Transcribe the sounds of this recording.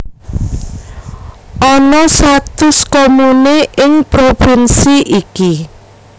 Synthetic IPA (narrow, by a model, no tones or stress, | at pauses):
ʔɔnɔsat̪ʊskomuneʔɪŋpɾopɪnsiʔiki